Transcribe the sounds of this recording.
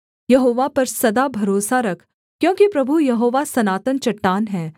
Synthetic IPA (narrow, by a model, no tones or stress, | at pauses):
jɐɦoːʋapɐɾsɐd̪abʱɐɾoːsaɾɐkʰ | kjõːkipɾɐbʱujɐɦoːʋasɐnaːt̪ənt͡ʃɐʈːaːnɦɛː